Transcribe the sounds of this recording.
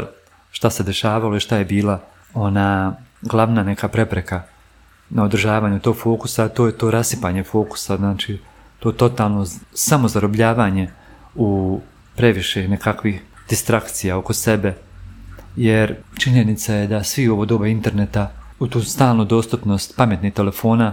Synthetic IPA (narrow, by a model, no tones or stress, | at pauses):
ʃt̪ase̞d̪e̞ʃaːʋalo̞iʃt̪aje̞biːla | o̞naːɡlˠaʋnane̞kapɾe̞pɾe̞ka | nao̞d̪r̩ʒaːʋaːɲut̪o̞ɡfo̞ːkusat̪o̞ːjet̪o̞ːɾasipaːɲefo̞ːku̥saznaːt͡ʃi | t̪oːt̪o̞t̪aːlˠno̞samo̞zaɾo̞bʎaːʋaːɲe̞ | u | pɾe̞ʋiʃenekakʋixd̪̥ist̪ɾakt̪sijao̞ko̞se̞be̞ | jeɾt͡ʃiɲenit̪sajed̪asʋio̞ʋod̪o̞ːbeint̪e̞ɾnet̪aut̪uːst̪aːlˠnod̪o̞ːst̪upno̞st̪pamje̞t̪niːht̪ele̞fo̞ːna